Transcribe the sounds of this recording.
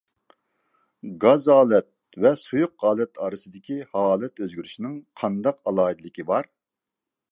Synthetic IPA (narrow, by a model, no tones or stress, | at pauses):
ɡɑzɑːlˠɛt̪̚ | vɛsujʊqʁɑːlˠɛt̪ʰɑːɾɨsɨd̪ɪkʲihɑːlˠɛt̪øzɡʲyɾyʃinɪŋqʰɑnd̪ɑqɑlˠɑːid̪lɪkʲibɑɾ